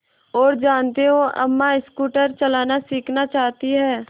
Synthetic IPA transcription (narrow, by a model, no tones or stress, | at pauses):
ɔːɾd͡ʒaːnt̪eɦõʔɐ̰mːaɪskuːʈəɾt͡ʃɐlaːnasiːkʰnat͡ʃaːɦt̪iɦɛː